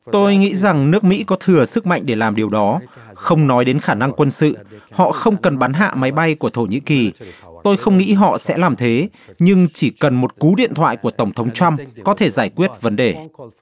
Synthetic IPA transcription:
t̪o˧jŋḭ˧˥za˨˩ŋnɨ˦˥ək̚mḭ˧˥kɔ˨˦t̪ʰɨ˨˩əsɨ˦˥k̚ma̰˧˨ŋ̟ɗe˧˩laː˨˩mɗi˨˩əwɗɔ˨˦xə˧wŋ͡mnɔ˨˦jɗe˨˦nxaː˧˩na˧ŋkwə˧nsɨ̰˧˨hɔ̰˧˨xə˧wŋ͡mkə˨˩nɓaː˨˦nɦa̰ː˧˨ma˨˦jɓa˧jku˧˩ət̪ʰo˧˩ɲḭ˧˥ki˨˩t̪o˧jxə˧wŋ͡mŋḭ˧˥ɦɔ̰˧˨sɛ̰˧˥laː˨˩mt̪ʰe˨˦ | ɲɨ˧ŋt͡ɕi˧˩kə˨˩nmo˨˩t̚ku˨˦ɗḭ˧˨nt̪ʰwa̰ː˧˨jku˧˩ət̪ə˧˩wŋ͡mt̪ʰə˨˦wŋ͡mt͡ɕwa˧mkɔ˨˦t̪ʰe˧˩zaː˧˩jkwi˦˥ət̚və˨˦nɗe˨˩

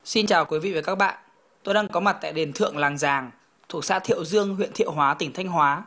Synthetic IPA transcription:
si˧nt͡ɕaː˨˩wkwi˨˦vḭ˧˨və˨˦ka˦˥k̚ɓa̰ː˧˨n | t̪o˧jɗa˧ŋkɔ˨˦ma˨˩t̚t̪a̰ː˧˨jɗe˨˩nt̪ʰɨ̰˧˨əŋlaː˨˩ŋzaː˨˩ŋ | t̪ʰu˨˩ək̚sa̰ː˧˥t̪ʰḭ˧˨əwzɨ˧əŋɦwḭ˧˨ənt̪ḭ˧˨əwɦwaː˨˦t̪ï˧˩ŋt̪ʰa˧jŋ̟ɦwaː˨˦

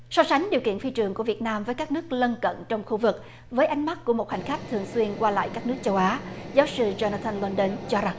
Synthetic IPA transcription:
sɔ˧sa˨˦jŋ̟ɗi˨˩əwkḭ˧˨ənfi˧t͡ɕɨ˨˩əŋku˧˩əvi˨˩ət̚naː˧mvəː˨˦jkaː˦˥k̚nɨ˦˥ək̚lə˧nkə̰˧˨nt͡ɕɔ˧wŋ͡mxu˧vɨ˨˩k̚ | vəː˨˦jʔa˨˦jŋ̟ma˦˥t̚ku˧˩əmo˨˩t̚ha̰˨˩ŋ̟xa˦˥jk̟̚t̪ʰɨ˨˩əŋswi˧ənkwaː˧la̰ː˧˨jkaː˦˥k̚nɨ˦˥ək̚t͡ɕə˧wʔaː˨˦zaː˨˦wsɨ˧zo˧naː˧t̪ʰa˧nlə˧nɗe˧nt͡ɕɔ˧za˨˩ŋ

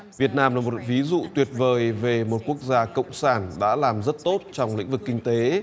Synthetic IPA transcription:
vi˨˩ət̚naː˧mlaː˨˩mo˨˩t̚vi˨˦zṵ˧˨t̪wi˨˩ət̚vəː˨˩jve˨˩mo˨˩t̚ku˦˥ək̚zaː˧kə̰˧˨wŋ͡msaː˧˩nɗa̰ː˧˥laː˨˩mzə˦˥t̚t̪o˦˥t̚t͡ɕɔ˧wŋ͡mlḭ̈˧˥ŋ̟vɨ˨˩kːï˧ŋ̟t̪e˨˦

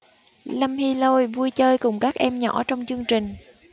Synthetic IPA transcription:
lə˧mhi˧lo˧jvu˧jt͡ɕəː˧jkʊ˨˩ŋ͡mkaː˦˥k̚ʔɛ˧mɲɔ̰˧˩˥t͡ɕɔ˧wŋ͡mt͡ɕɨ˧əŋt͡ɕï˨˩ŋ̟

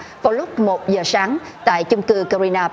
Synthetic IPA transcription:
vaː˨˩wlʊ˦˥k͡p̚mo˨˩t̚zəː˨˩saː˨˦ŋ | t̪a̰ː˧˨jt͡ɕʊ˧ŋ͡mkɨ˧kɔ˧zi˧naː˧

